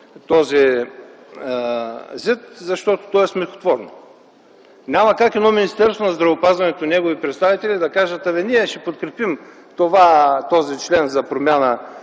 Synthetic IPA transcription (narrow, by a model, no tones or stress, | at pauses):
t̪ɔzi | zʲit̪zɐʃt̪ɔt̪o̥t̪ɔɛsmɛxo̥t̪vɔɾno̰ | nʲamɐkakɛd̪nɔminist̪ɛɾst̪vonɐzd̪ɾɐvopazvɐnɛt̪onɛɡovipɾɛt̪st̪avit̪ɛlid̪ɐkaʒət̪ɐvɛniɛʃɛpot̪̚kɾɛpim | t̪ovat̪ɔzit͡ʃlɛnzɐpɾomʲjanə